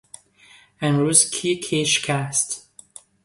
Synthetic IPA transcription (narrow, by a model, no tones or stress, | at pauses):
æ̃nɹuzkʰikʰeʃkʰæst